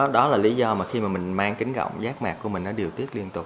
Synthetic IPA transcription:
ɗɔ˨˦laː˨˩li˨˦zɔ˧mmaː˨˩xi˧maː˨˩mï˨˩ŋ̟maː˧ŋkï˨˦ŋ̟ɣɔ̰˧˨wŋ͡mzaː˦˥k̚maː˨˩kːu˧˩əi˨˩ŋ̟nɔ˨˦ɗi˨˩əwt̪i˦˥ət̚li˧ənt̪ʊ˨˩k͡p̚

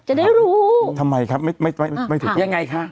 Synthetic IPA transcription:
t͡ɕa˨˩daː˥˩jɾuː˦˥t̪ʰa˧mːa˧jkʰa˦˥p̚ma˥˩ma˥˩jma˥˩jma˥˩t̪ʰːja˧ŋːa˧jkʰa˦˥

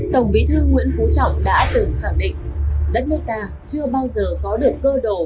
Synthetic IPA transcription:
t̪ə˨˩wŋ͡mɓi˨˦t̪ʰɨ˧ŋwḭ˧˥ənfu˨˦t͡ɕɔ̰˧˨wŋ͡mɗa̰ː˧˥t̪ɨ˨˩ŋxaː˧˩ŋɗḭ˧˨ŋ̟ɗə˦˥t̚nəː˧jt̪aː˧ | t͡ɕɨ˧əɓaː˧wzəː˨˩kɔ˨˦ɗɨ˨˩əkːəː˧ɗo˨˩

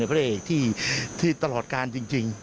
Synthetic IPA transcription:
a˧jpʰɾa˥ʔeː˨˩k̚t̪ʰiː˥˩t̪ʰiː˥˩t̪a˧lɔː˨˩t̪̚kaː˧nt͡ɕi˧ŋt͡ɕi˧ŋ

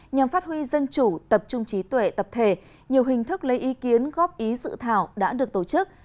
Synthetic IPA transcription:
ɲa˨˩mfaː˦˥t̚hwi˧zə˧nt͡ɕu˧˩t̪ə˨˩p̚t͡ɕʊ˧ŋ͡mt͡ɕi˨˦t̪we˧˨t̪ə˨˩p̚t̪ʰe˧˩ | ɲi˨˩əwɦï˨˩ŋ̟t̪ʰɨ˦˥k̚lə˧jʔi˨˦ki˨˦ənɣɔ˦˥p̚ʔi˨˦sɨ̰˧˨t̪ʰaː˧˩wɗa̰ː˧˥ɗɨ˨˩ək̚t̪o˧˩t͡ɕɨ˦˥k̚

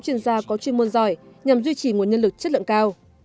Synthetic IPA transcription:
t͡ɕwḭ˧˩ənzaː˧kɔ˨˦t͡ɕwi˧˩ənmu˧nzɔ˧˩jɲa˨˩mzwi˧t͡ɕi˧˩ŋu˨˩ənɲə˧nlɨ˨˩k̚t͡ɕə˦˥t̚lɨ̰˧˨ŋkaː˧w

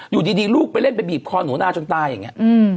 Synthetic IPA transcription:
juː˨˩diː˧diː˧luː˥˩k̚pa˧jle˥˩npa˧jbiː˨˩p̚kʰɔː˧nuː˩˦naː˧t͡ɕo˧nt̪aː˧ja˨˩ŋːi˦˥ʔɯː˧˩m

